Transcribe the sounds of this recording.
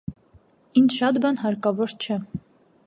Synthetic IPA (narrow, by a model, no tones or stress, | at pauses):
int͡ʃʰʃɑt̪bɑnɦɑɾkɑvɔɾt͡ʃʰɛ